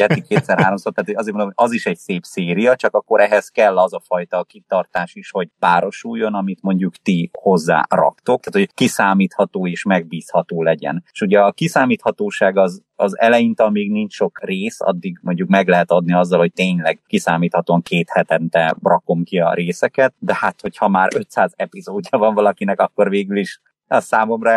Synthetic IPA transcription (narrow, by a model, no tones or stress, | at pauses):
ɛt̪ikːeːt̪sɛɾɦaːɾo̞msoːrt̪aːt̪hojɒzeːrmonomoɒziʃɛɟseːpseːɾijɒt͡ʃɒkɒkːo̞ɾʔɛɦɛz̥kɛlːɒzɒfɒjt̪ɒkit̪ɒrt̪aːʃiʃho̞ɟpaːɾo̞ʃujːo̞nɒmit̪mo̞ɲɟukt̪iho̞zːa̰ːrɒ̰kt̪okt̪aːt̪hoɟkisaːmiːt̪hɒt̪oːeːʃmɛɡ̚biːshɒt̪oːlɛɟɛ̰neʃuɟɛɒkisaːmiːt̪hɒt̪oːʃaːɡɒz | ɒzɛ̰lɛjint̪ɒlmeːɡniɲt͡ʃʃo̞kreːsɒ̰d̪ːiɡmo̞ɲɟukmɛɡlɛɦɛt̪ɒd̪niɒzːɒlho̞c̚t̪eːɲlɛɡkisaːmiːt̪hɒt̪oːɒŋkʰeːt̪hɛt̪ɛnt̪ɛbrɒko̞mkiɒ̰ɾeːsɛkɛt̪̚d̪ɛhat̪ho̞chɒmaːɾø̞t̪saːzɛpizoːdːɒvɒɱvɒlɒkinɛkɒkːo̞rveːɡyliʃ | ɒsaːmo̞mrɒ